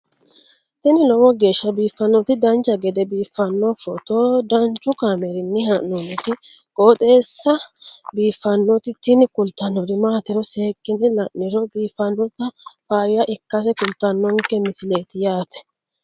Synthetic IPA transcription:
t̪ɪnɪlɔwɔɡe̞ːʃːɐbiːfːɐnːɔt̪ɪd̪ɐnt͡ʃːɐɡɛd̪ɛbiːfːɐnːɔfɔt̪od̪ɐnt͡ʃːʊkaːmɛɾɪnːɪhɐnɔnɛt̪ɪ | kʼoːt̪ʼe̞ːsːɐbiːfːɐnːɔt̪ɪt̪ɪnɪkʊlt̪ːɐnːɔɾɪmaːt̪ɪɾɔseːkːɪnɪlɐʔnːɪɾɔbiːfːɐnːɔt̪ːɐfaːjjɐʔɪkːɐs̬ɛkʊlt̪ːɐnːɔŋkːɛmɪsɪle̞ːt̪ɪjaːt̪ɛ̥

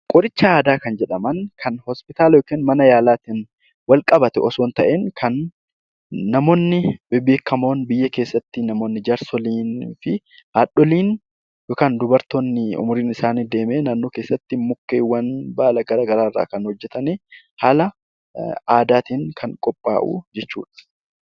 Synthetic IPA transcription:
kʼɔɾɪt͡ʃːɐaːd̪aːkɐnd͡ʒɛᶑɐmɐnkʰɐnhɔspɪt̪aːlɐjoːkeːnmɐnɐjaːlaːt̪in | wɐlkʼɐbɐt̪ɛʔɔsoːnt̪ɐʔeːŋkʰɐn | ɐmo̞ːnːɪbɪbeːkːɐmo̞ːnbɪjːɐke̞ːsːɐt̪ːɪnɐmo̞ːnːɪd͡ʒɐɾsɔliːnfɪ | haːɗɔliːn | joːkaːnd̪ʊbɐɾt̪oːnːɪʊ̰mʊɾiːnɪsaːniːd̪e̞ːmeːnaːnːo̞ːkeːsːɐt̪ːɪmʊkːeːwːɐnbaːlɐɡɐɾaːɡɐɾaːɪrːa̰ːkɐnhɔd͡ʒːɛt̪ɐneː | haːlɐ | aːd̪aːt̪iːŋkʰɐŋkʼɔpʼːa̰ːʔṵːd͡ʒɛt͡ʃːṵːᶑɐ̥

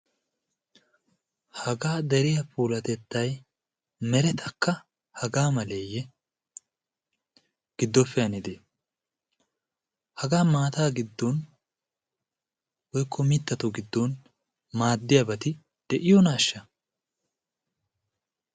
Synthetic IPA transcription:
hɐɡaːd̪ɛɾɪjɐpʰuːlɐt̪ɛt̪ːɐj | mɛɾɛt̪ʰɐkːɐ | hɐɡaːmɐleːjːɛ | ɡ̥ɪd̪ːɔfːɪjɐnɪd̪e | hɐɡaːmaːt̪aːɡɪd̪ːɔn | wɔjkʰːɔmɪt̪ːɐt̪ɔɡɪd̪ːɔn | maːd̪ːɪjɐbɐt̪ɪ | d̪̥ɛʔɪjɔnaːʃːɐ

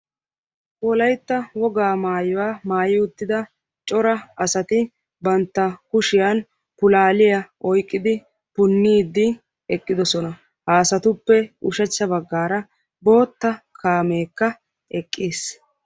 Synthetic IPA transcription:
wɔlɐjt̪ːɐwɔɡaːmaːjʊwaːmaːjɪʊt̪ːɪd̪ɐ | t͡ʃʼɔɾɐɐsɐt̪ɪ | bɐnt̪ːɐkʊʃɪjan | pʊlaːlɪjɐʔɔjkʼːɪd̪ɪ | pʊnːiːd̪ːɪ | ɛkʼːɪd̪ɔsɔnɐ | haːsɐt̪ʊpːɛʊʃɛt͡ʃːɐbɐɡːaːɾɐ | bo̞ːt̪ːɐkʰaːmeːkːɐ | ɛkʼːiːs

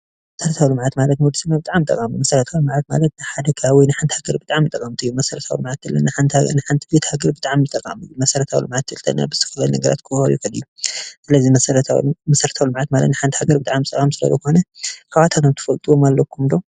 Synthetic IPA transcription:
mɐsɐɾɐt̪ʰawilɨmʕat̪malɐt̪nwɔd̪isɨmabɨt̪ʼaʕamːɨt̪ʼːɐ̰kʼammɐsɐɾɐt̪ʰawlɨmʕat̪ma̰lɐt̪nɨħad̪ɐkʰaawinɨħant̪ʰhaɡɐɾbɨt̪ʼaʕamɨt̪ʼːɐkʼamt̪ʰɨjːumɐsɐɾɐt̪ʰawḭlɨmʕat̪ːɨlːɐ̰nːɨħant̪nɨħant̪ʰibet̪haɡɐɾbɨt̪ʼaʕamɨt̪ʼːɐkʼa̰mɨjːumɐsɐɾɐt̪ʰawḭlɨmʕat̪ʰɨlt̪ʰɐ̰nːa̰bɨzɨt̪ʰɨxɨlalnɐɡɐɾa̰t̪kʰɨhojukʰɐlɨ̰jːusɨlɐzimɐɐɾt̪amɐsɐɾɐt̪ʰawilɨmʕat̪malɐ̰t̪nɨħant̪ʰihaɡɐɾbɨt̪ʼaʕamɨt̪ʼɐkʼamsɨlɐ̰zɐko̞nɐkʰaβat̪ʰat̪ʰomt̪ʰɨ̥fɐlt̪ʼɨwomalːɐkʰːumd̪o̞

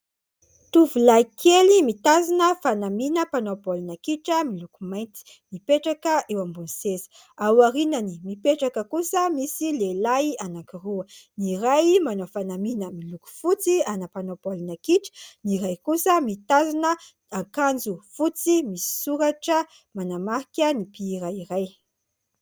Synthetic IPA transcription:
t̪uvulajkʰelimit̪azinəfanaminəpanopolinakiʈ͡ʂəmilukumajnt̪i̥ | mipeʈ͡ʂakəʔewambunisezi̥ | awaɾinanimipeʈ͡ʂakəkusəmisilelajanakiruəniɾajmanofanaminəmiluku̥fut͡sianəpanopolinakiʈ͡ʂə̥niɾajkusəmit̪azinə | akand͡zufut͡simisi̥suɾaʈ͡ʂə | manamaɾikʲənipiːɾaiɾaj

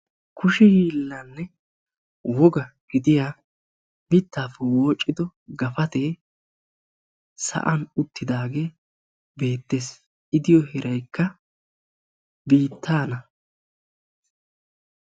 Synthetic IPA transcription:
kʊʃɛjiːlːɐnːɛ | wɔɡɐɡ̥ɪd̪ɪjaː | bɪt̪ːaːfɛwo̞ːt͡ʃʼːɪd̪ɔɡɐfɐt̪e̞ː | sɐ̰ʔɐnʊt̪ːɪd̪aːɡe̞ː | be̞ːt̪ːe̞ːs | ʔɪd̪ɪjɔhɛɾʔɐjkːɐ | biːt̪ʰːaːnɐ

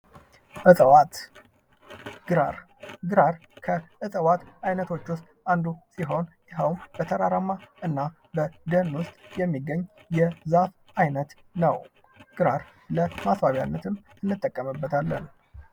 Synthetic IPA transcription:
ʔɨsʼəwat̪ | ɡɨɾaɾ | ɡɨɾaɾkʰəʔɨsʼəwat̪ajnət̪ʰo̞t͡ʃːwʊst̪ʼand̪usiɦo̞njɪɦəwmb̥ət̪ʰəɾaɾamːaʔɨnːa | bəd̪ənwʊst̪ʼjɛmːiɡːəɲːjɛzaf | ajnət̪ | nəw | ɡ̥ɨɾaɾ | ləmasbaβja̰nːət̪ʰɨm | ɨnːɨt̪ʼːəkʼːəmɨbːət̪ʰalːə̰n

